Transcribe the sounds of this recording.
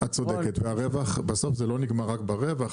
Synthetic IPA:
hatt͡so̞d̪eket̪veaʁevaχbeso̞fzelo̞niɡmaʁakbaʁevaχ

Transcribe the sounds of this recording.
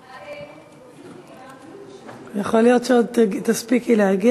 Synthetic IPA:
jaχolijot̪ʃeod̪̚t̪aspikileaɡi

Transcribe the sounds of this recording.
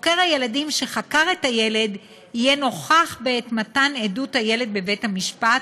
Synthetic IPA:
ke̞ʁhaje̞ladimʃe̞χakaʁethaje̞le̞d | hijeno̞χaχbeetmataneduthaje̞le̞d̚be̞ve̞thamiʃpat

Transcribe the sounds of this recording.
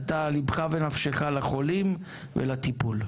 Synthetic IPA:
t̪alibχavenafʃeχalaχo̞lim | vḛlat̪ipul

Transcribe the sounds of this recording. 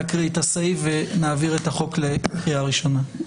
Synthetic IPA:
kʁiːtasejvenaːviʁetaχo̞kle̞kʁijaʁiʃo̞na

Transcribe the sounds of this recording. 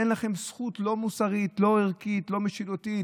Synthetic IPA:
enlaχe̞msχut̪lo̞musaʁit̪lo̞eʁkit̪lo̞meʃidot̪i

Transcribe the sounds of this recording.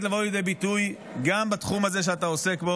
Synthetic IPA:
t̪lavo̞aljed̪ejbit̪uj | ɡambat̪χumaze̞ʃ̬eat̪̬ao̞se̞kbo̞

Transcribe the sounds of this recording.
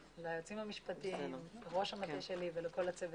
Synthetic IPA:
leajot͡simamiʃpatimleʁo̞ʃamatiʃeliveleko̞lat͡sev

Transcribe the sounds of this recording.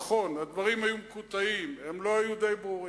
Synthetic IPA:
χo̞nad̪vaʁimhajumekut̪aimemlo̞ajud̪e̞jbʁuʁi

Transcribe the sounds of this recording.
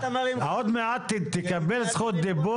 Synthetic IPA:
niod̪meat̪ːt̪ekabelsχut̪̚d̪ibu

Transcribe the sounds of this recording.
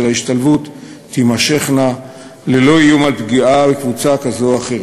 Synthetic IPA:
elaiʃtalvut̪ | t̪imaʃe̞χna | lelo̞ijumalpɡiabekvut͡sakazoaχeʁ

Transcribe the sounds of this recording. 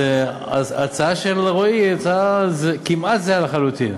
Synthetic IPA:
e | aat͡saaʃelʁoiat͡saazekimat̪zealaχalut̪in

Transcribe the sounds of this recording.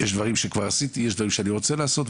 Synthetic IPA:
jɛʃd̪vaʁimʃekvaʁasit̪ijeʃd̪vaʁimʃeaniʁo̞t͡selaːso̞t̪

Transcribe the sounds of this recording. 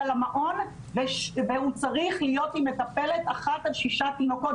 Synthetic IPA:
lamaʔo̞n | veveut͡saʁiχlijo̞t̪imːe̞t̪ape̞le̞t̪aχat̪alʃiʃat̪ino̞ko̞t

